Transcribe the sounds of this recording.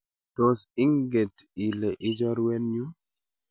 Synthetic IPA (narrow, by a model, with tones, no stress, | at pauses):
to˨si˦ŋɡe˨ti˨le˨ʔɪ˦d͡ʒɔ˦ɾwe˦nɲu˦